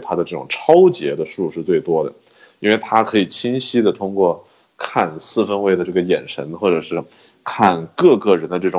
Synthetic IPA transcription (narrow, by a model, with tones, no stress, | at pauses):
t̪ʰa˥d̪ə˨˧ʈ͡ʂɤ˥˩ʈ͡ʂʊ̰˨˩ŋʈ͡ʂʰɑ˥ʊt͡ɕjɛ˧˥d̪ə˧ʂu˥˧ʂɻ̩˥˧t͡swe˥˩ɪt̪wɔ˥d̪ə̰˩ | i˥nwe˥˩ɪt̪ʰa˥kʰɤ˧˥i˨˩t͡ɕʰi˥nɕi˥d̪ə˨t̪ʰʊ˥ŋkwɔ˥˧ | kʰa˥˧nsɹ̩˥˩fə˥nwe˥˩ɪd̪ə˩ʈ͡ʂɤ˥˩ɡə˩jɛ˨˩nʈ͡ʂʰə˧˥nxwɔ˥˩ʈ͡ʂɤ˨˩ʂɻ̩˥˧ | kʰa˥˧nkɤ˥˧kɤ˥˩ɻə˧˥nd̪ə˧ʈ͡ʂɤ˥˩ʈ͡ʂʊ˨˩